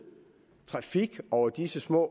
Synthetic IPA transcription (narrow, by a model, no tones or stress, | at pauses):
t͡sʰʁɑ̈fiɡ̥ɒʊɐd̥isəsmɔ̰̽ː